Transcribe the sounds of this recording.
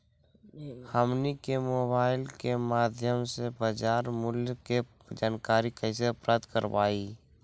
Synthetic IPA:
həmnikemoːbaːɪlkemaːd̪ʱjəmsebad͡ʒaːɾmʊljke | d͡ʒaːnkaːɾikɛɪseɐpɾaːd̪kəɾwa̰ːiː

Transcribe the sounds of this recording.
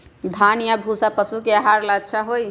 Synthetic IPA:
d̪ʱanjabʱusapəsukeaɦaɾlat͡ʃʰaɦoj

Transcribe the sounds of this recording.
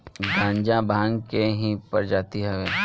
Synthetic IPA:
ɡʱãːɲd͡ʒãbʱãːŋkeɦĩpɐɾd͡ʒaːt̪iɦɛʋeː

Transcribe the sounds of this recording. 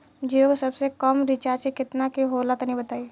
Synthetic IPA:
d͡ʒioɡsɐbsekəmɾɪt͡ʃaːsekɪt̪nakiɦoːlat̪nĩbət̪aːi

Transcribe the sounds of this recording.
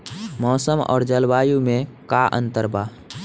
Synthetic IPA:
mɔːsəmɔ̰ːɾd͡ʒəlbaːjumẽkaʔə̰̃nt̪əɾbaː

